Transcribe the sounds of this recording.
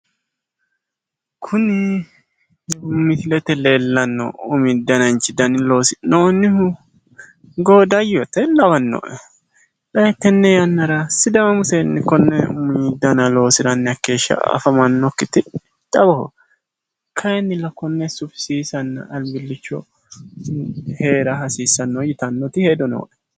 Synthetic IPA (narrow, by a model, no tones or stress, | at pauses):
kʰʊnɪ | jɐbʊmːɪt̪ɪlɛt̪ɛleːlːɐnːɔ̰ʊmiːd̪ːɐnɐnt͡ʃʼɪd̪ɐnɪlo̞ːsɪ̥noːnːɪhʊ | ɡoːd̪ɐjɔt̪ɛlɐwɐnːo̰ʔɛ | lɐjɛk̪ːɛnːɛjɐnːɐɾɐsɪd̪ɐmɐmʊsɛnːɪkɔnːɛʊmid̪ːɐnɐlo̞ːsɪɾɐnːɪɐkːeːʃːɐ̰fɐmɐnːɔkːɪt̪ɪ | t̪ʼɐbɐhʊ̰ | kʰɐjɛnːɪlɐkɔnːɛsʊfsiːsɐnːɐ̰ʔɐlbɪlːɪt͡ʃːɔ̰ | he̞ːɾɐɦɐsiːsɐnːɔjɪt̪ɐnːɔt̪ɪheːd̪ɔno̰ːʔɛ̥